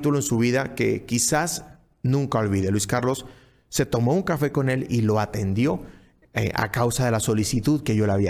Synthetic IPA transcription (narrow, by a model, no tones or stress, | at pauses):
t̪uloensuβ̞iðake̞̰kisas | nũŋkao̞lβiðe̞lwiskaɾlo̞sː | e̞t̪o̞mo̞uŋkafe̞ko̞ne̞lilo̞at̪e̞nd̪jo̞̰ | a̰kawsaðe̞laso̞lisit̪uðke̞ʝo̞laβia